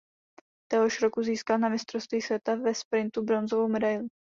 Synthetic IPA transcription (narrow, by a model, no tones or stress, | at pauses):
t̪ɛɦoʃɾo̞kuziːskalnamɪst̪ɾost̪viːsvʲɛt̪avɛspɾɪnt̪ubɾo̞nzovowmɛdajlɪ